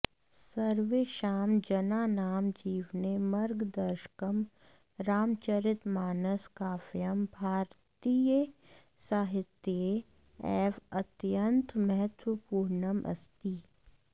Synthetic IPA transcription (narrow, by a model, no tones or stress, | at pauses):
sɐɾʋeːʃaːmd͡ʒɐnaːnaːmd͡ʒiːʋnemɐɾɡd̪ɐɾʃə̥kəm | ɾaːmt͡ʃɐɾɪt̪maːnəskaːfjəmbʱaːɾt̪iːjə | saːɦɪt̪je | ɛːfɐt̪jənt̪mɛɦɛt̪wəpuːɾɳəmʔɐ̰st̪iː